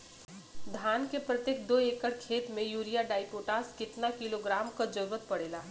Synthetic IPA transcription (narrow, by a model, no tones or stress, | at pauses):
d̪ʱjaːnkepɾɐt̪jek̚d̪oːeːkəɽkʰeːt̪mẽjuːɾijaɖaːɪpoːʈaːskɪt̪nakɪloɡɾaːmkad͡ʒəɾʋət̪̚pɐɽeːlaː